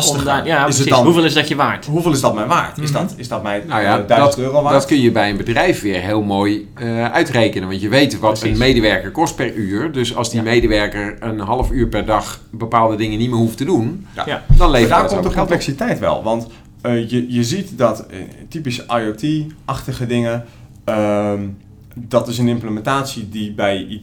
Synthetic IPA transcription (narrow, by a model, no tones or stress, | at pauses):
sajaɪsɦuvelˠɪsdɔtjəʋaːɹtɦuvɪːlˠɪsdɔt̚mɛjnʋaːɹtɪsdɔtɪsdɔtmɛjnajadœdtøːroʋadɔtkønjəbɛjənbədrɛjfʋɪːɹɦɪːlˠmoːj | ʔœɥtrejkənənʋɑntjəʋejtʋɔtənmejdəʋɛɹkəɹkɔst̚pɛryːrdøsɑ̰lˠzdimejdəʋɛɹkəɹənɦɑlˠəfyːɹpɛrdɑxbəpaːlˠdədɪŋənitmɪːɹɦuftədund̥ɔnlejvdaːkdəkõmplɛksitɛjtʋɛ̰lˠʋɑnt | jəjəzitdɔttipisajotʰiʔɑxtəɣədɪŋə | ə | dɔtɪsənɪmpləmɛntaːsjədibɛj